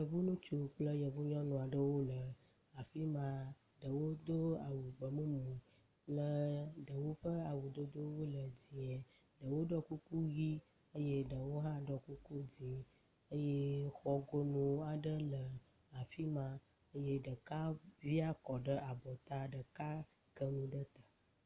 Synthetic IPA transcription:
jə˨vu˦nũ˦t͡ʃu˨k͡plə˦jə˨vu˦ɲɔ̃˦nũ˨a˨ɖə˦wo˦lə˨ | a˨fi˦mã˦ | ɖə˨wo˦d̪o˦a˨wu˨ɡ͡bə˨mũ˦mũ˨ | lə˦ɖə˨wo˦ɸə˦a˨wu˨d̪o˦d̪o˦wo˦lə˨d͡zi˨e˨ | ɖə˨wo˦ɖɔ˦ku˦ku˦ɣi˦ | ə˦je˦ɖə˨wo˦ɦã˦ɖɔ˨ku˦ku˦d͡zi˨ | ə˦jɛ˦xɔ˦ɡo˦nũ˦a˨ɖə˦lə˨ | a˨fi˦mã˦ | ə˦je˦ɖə˨ka˦vi˦a˦kɔ˨ɖə˦ʔa˨bɔ˨t̪a˦ɖə˨ka˦ | ɡə˦nũ˨ɖə˦t̪a˨

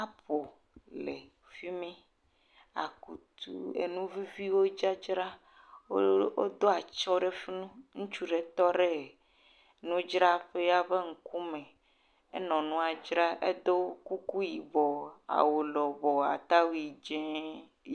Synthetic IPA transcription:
a˦po˨ | le˨ | fi˦mɛ̃˦ | a̰˨ku˨t̪ṵ˦˨ḛ˨nũ˦vi˦vi˦wo˦d͡ʒa˦d͡ʒɾa˦ | o˦o˦d̪o˦a˨t͡ʃɔ˦ɖe˦fi˦nũ˦ŋũ˦t͡ʃu˦ɖe˨t̪ɔ˦ɖe˦˨ | nũ˦d͡ʒɾa˦ɸe˦ja˦be˦ŋ̩˨ku˦mẽ˨ | ḛ˦nɔ̃˨nũ˦a˨d͡ʒɾa˦ʔḛ˦d̪o˦ku˦ku˦ji˨bɔ˨a̰˨wo˨lɔ˨bɔ˨a̰˨t̪a˦wi˨d͡ʒɛ̃˦

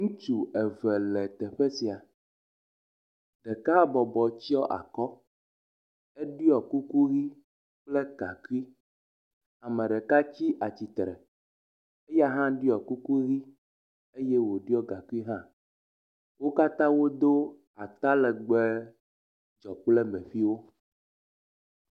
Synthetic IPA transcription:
ŋũ˦t͡ʃu˨ɛ˨vɛ˨lɛ˨t̪ɛ˨ɸɛ˦si˨a˨ | ɖɛ˨ka˦bɔ˨bɔ˨t͡ɕi˦ɔ˦ʔa̰˨kɔ˦ | ɛ˦ɖi˦ɔ˨ku˦ku˦ɣi˦ | k͡ple˦ɡa̰˨ku˦i˦ | a˨mɛ̃˨ɖɛ˨ka˦t͡ɕi˦ʔa˨t͡ɕi˨t̪ɾɛ̰˨ | e˦ja˦ɦã˦ɖi˦ɔ˨ku˦ku˦ɣi˦ | e˦je˦wo˨ɖi˦ɔ˦ɡa˨ku˦i˦ɦã˦ | wo˦ka˦t̪ã˦wo˦d̪o˦ | a˨t̪a˦lɛ˨ɡ͡bɛ˦ | d͡ʒɔ˨k͡plɛ˦mɛ̃˨ɸi˦wo˦

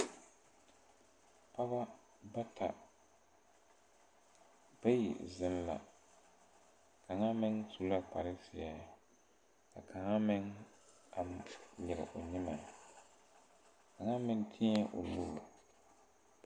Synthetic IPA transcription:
pa˦ba˦ | ba˦tʰa̰˨ | b̥a˦jḭ˨zɪ˦m˦la̰˨ | ka˨ŋa˦mɪ˦ŋtu˦la˦k͡pa˨ɾɪ˦sɪ˨a˦˨ | ka˨kʰa˨ŋa˦mɪ˦ŋ | a˨mjɪ˨ɾɪ̰˨ʔʊ˨ɲɪ˦ma˨ | ka˨ŋa˦mɪ˦n˦tʰi˦ɲɛ˦ʔʊ̰˨luː˦˨

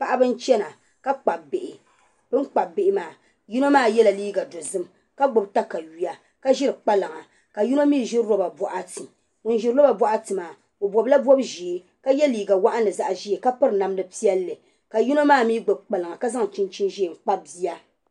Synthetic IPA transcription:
pa˦ʔa˦bɨ˦n̩˦t͡ʃɛ˦na˨ | ka˦k͡pa˨b̚be˨ʔɪ˨ | b̥ɨ˦n˦k͡pa˨bbɪ˨ʔɪ˦maː˨ | ji˦no˦maː˦˨jɛ˦la˨liː˦ɡa˨do˨zɨ˦m | ka˦ɡ͡bʊ˨bta˦ka˨ji˦ja˦ | ka˦ʒɪ˦ɾɨ˨k͡pa˦la˨ŋa˨ | ka˨ju˦no˦miː˦˨ʒɪ˦ɾɾo˦ba˨bɔ˨ʔa˦ti˨ | ʊ˨n˦ʒɪ˨ɾo˦ba˨bwɔ˦ʔa˦tɨ˨maː˨ | o˨bɔ˨bla˦bɔ˦bʒi˨˦ | ka˦jɛ˦liː˨ɡa˨wa˦ʔa˦nɨ˨za˦ʔʒi˦e˨ka˦pɨ˦ɾɨ˨na˨m˦nɨ˦pi˦ɛ˦lːɨ˨ | ka˨ji˦no˦maː˦˨miː˦ɡ͡bʊ˨b̚k͡pa˨la˨ŋa˨ka˦za˦ŋ˨t͡ʃi˦nt͡ʃi˦nʒi˦˨ŋ͡m̩˨k͡pa˦b̚zi˦a˦

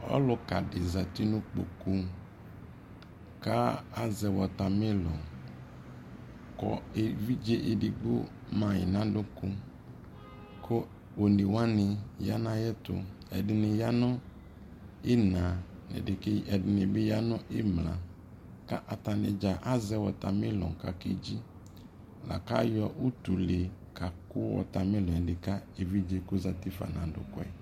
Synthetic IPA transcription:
ɔ̰˦lʊ˨ka̰˨dɪ˨za˨t̪i˦nʊ̃˦k͡po̰˨ku˦ | ka˦a˦zɛ˨wɔ˨ta˨mɪ˦lɔ̰˨ | kɔ̰˨e˨vi˦d͡ʒe˦ʔe˨dɪ˨ɡ͡bʊ̰˦ | mã˨jɪ̰˨nã˦dʊ˦kʊ˦ | kʰʊ˦ | wo˨nɪ˨wa˦nɪ˨ja˦nã˦jɛ˦tʊ̰˨ | ɛ̰˨dɪ˨nɪ˨ja˦nʊ̃˦ | ɪ˦nã˨nɪ̰˨ɪ˨kɛ˨dɪ˨nɪ˨bɪ˦ja˦nʊ̃˦ʔɪ˦mla̰˨ | ka̰˦ʔa˨ta˨nɪ̰˨d͡ʒa˨ʔa˦zɛ˦wɔ˨ta˨mɪ˦lɔ̰̃˨ka̰˨kɪ˦d͡ʒi˦ | la̰˨ka̰˦jɔ˦ʔu˦tu˨le˨ | kʰa˨kʊ˦wɔ̰˨ta˨mɪ˦lɔ̃˨ɛ˨dɪ˨ka˦e˨vi˦d͡ʒe˦kʊ˦za˦ti˦fa̰˨nã̰˨dʊ̰˨kʊ˦ɛ̰˦

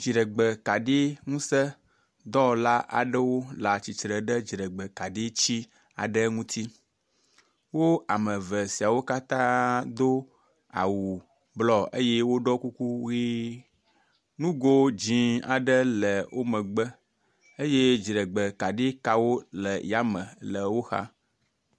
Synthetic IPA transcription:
d͡ʒi˨ɖə˨ɡ͡bə˨ka˨ɖi˦ŋũ˦sə˦ | d̪ɔ˦la˦ʔa̰˨ɖə˦wo˦la˨t͡ɕi˨t͡ʃɾə˨ɖə˦d͡ʒi˨ɾə˨ɡ͡bə˨ka˨ɖi˦t͡ɕi˦ | a̰˨ɖə˦ŋũ˦t̪ʰi˦ | wo˦a˨mə̃˨və˨si˨a˨wo˦ka˦t̪ã˦d̪o˦ | a̰˨wu˨ | blɔ˦ḛ˦je˦wo˦ɖɔ˦ku˦ku˦ɣi˦ | nũ˦ɡo˦d͡ʑĩ˨a̰˨ɖə˦lə˨wʔo˦mə̃˨ɡ͡bə˦ | e˦je˦d͡ʒɾə˨ɡ͡bə˨ka˨ɖe˦ka˨wo˦lə˨ja˦mə̃˨lə˨wo˦xa̰˦

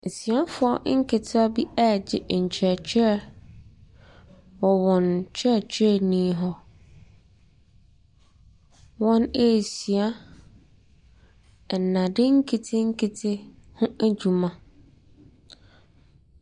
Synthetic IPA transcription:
si˨a˦fʊ˨˦ɔ̰˦ŋ̩˦kʰɪ˨tʰɪ˦a˦bi˦ɛ˦˨d͡ʑɪ˨ʔɲ̩˨t͡ɕʰɾɛ˨t͡ɕʰᶣɛ˦ | wɔ˨wɔ̃˨nt͡ɕʰɛ˦˨t͡ɕʰɛ˦˨nĩ˦ɦɔ˦ | wɔ̃˦ne˦˨si˨a˦˨ | nːã˨dɪ˦ŋ̩˦kʰe˨tʰɪ˦ŋ̩˦kʰɪ˨tʰɪ˦ | hʊ̃˦æ˦d͡ʑu˨mã˨

